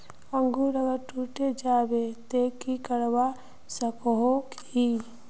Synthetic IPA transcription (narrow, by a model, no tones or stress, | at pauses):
əŋɡuɾəɡəɾʈuːʈed͡ʒaːbet̪eːkikəɽwa | səkoɦok | i